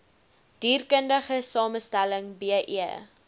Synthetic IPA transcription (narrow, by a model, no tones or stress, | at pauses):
d̥iːrkəndəχəsɑːməstæləŋbiəʔḭə